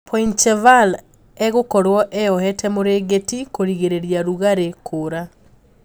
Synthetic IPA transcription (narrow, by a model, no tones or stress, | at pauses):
pʰɔint͡ʃɛval | ɛɣokɔɾwɔʔɛɔhɛtʰɛmoɾeːɡetikoɾiɣeɾeɾjaɾuɣaɾekʰoɾa